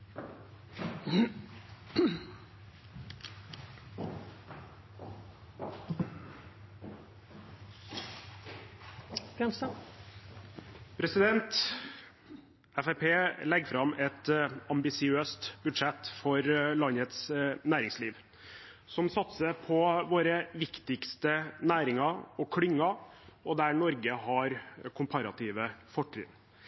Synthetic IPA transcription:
ɾɛnsə | pʰɾɛsɪd̪ɛnt̪ | ɛfæpʰeːlɛɡfɾɑmɛt̪ɑmbɪsɪøːst̪bʉd̪ʂɛt̪fɔɾlɑnət̪snæːɾɪŋsliːʋ | sɔmsɑt̪səɾpʰɔʋoːɾəʋɪkt̪ɪkst̪ənæːɾɪŋɑɔkʰɽɪŋːɑɔd̪æɳɔɾɡəhɑɾkʰʊmpʰɑɾɑt̪ʰiːʋəfɔʈʰːɾɪ̰ːn

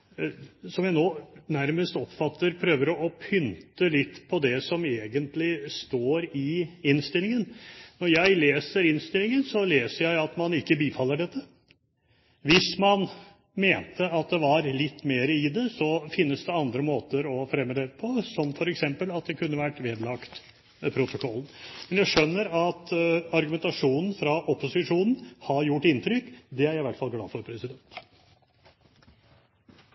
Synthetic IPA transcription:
sɔmjæɪnoːnæɾməst̪ɔpfɑt̪ːəɾpʰɾøːʋəɾɔɔpʰʏnt̪əlɪt̪ːpʰɔd̪ɛsɔmeːɡənt̪lɪst̪oːɾɪɪnst̪ɪlɪŋənnɔɾjæɪleːsəɾɪnst̪ɪlɪŋənsɔleːsəɾjæɪɑt̪mɑnɪkːəbiːfɑlːəɖɛt̪ʰːə | ʋɪsmɑn | meːnt̪ʰəɑt̪̚d̪ɛʋɑɾlɪt̪ːmeːɾəɪd̪ɛsɔfɪnːəsd̪ɛɑnd̪ɾəmoːt̪əɾɔfɾɛmːəd̪ɛpʰɔsɔmfɔɾɛksɛmpəlɑt̪̚d̪ɛkʰʉnːəʋæʈːʋeːd̪lɑkt̪ | pʰɾʊt̪ʊkʰɔlːn̩mɛnjæɪʂœnːəɾɑt̪ɑɾɡʉmɛnt̪ɑʂuːnn̩fɾɑʔɔpʊsɪʂuːnn̩hɑɾjʊʈːɪnt̪ʰɾʏkːd̪ɛæɾjæɪʋæʈːfɑlɡlɑ̰ːfɔɾpʰɾɛsɪd̪ɛnt̪

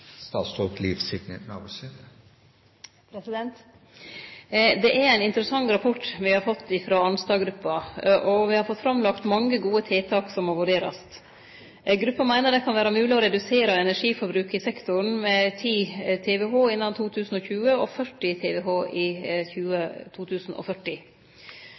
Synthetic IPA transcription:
st̪ɑ̰ːt̪st̪ʰɔkliːfsɪɡnə̰nɑ̰busind̪ə | pʰɾɛsɪd̪ɛnt̪ | d̪ɛʔɛɾæɪnɪnt̪əɾəsɑŋɾɑpʰɔʈːʋɪhɑɾfɔt̪ːɪfɾoːɑnst̪ɑːɡɾʉpːɑʔɔʋɪhɑɾfɔt̪ːfɾɑmlɑkt̪mɑŋːəɡuːət̪ʰeːt̪ʰɑːksɔmːɔʋʉɖeːɾɑ̰st̪ | ɡɾʉpːɑmæɪnəɖ̪ɛkʰɑnʋæːɾɑmʉːlɪɔɾɛd̪ʉseːɾɑɛnæʂiːfɔɾbɾʉːkɪsɛkt̪ʊɾɳ̩mɛt̪ʰiːt̪ʰeːʋɛɦoːɪnːɑnt̪ʰuːt̪ʰʉːsn̩ɔçʉːəɔfœʈːɪt̪ʰeːʋɛɦoːʔɪçʉːət̪ʰuːt̪ʰʉːsn̩ɔ̰fœʈːɪ

